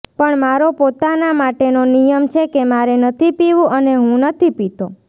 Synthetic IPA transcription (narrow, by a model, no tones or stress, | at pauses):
pəɳmaɾopot̪anamaʈenonijəmt͡ʃʰekemaɾenət̪ʰipiʋũʔəneɦũnət̪ʰipit̪o